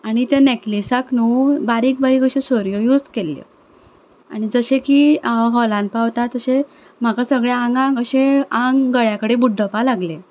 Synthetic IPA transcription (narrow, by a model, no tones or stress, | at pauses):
aɽ̃it̪eneklisaknubaɾiːk̚baɾikəɕesoɾjojud͡zkelːḛ | a̰ɽ̃id͡zəɕẽkiaʋaɦɔlãnpawt̪at̪əɕe | m̤akasəɡɭeãŋɡãŋɡəɕẽaŋɡɡəɭjakəɽebuɖʱəpalaɡle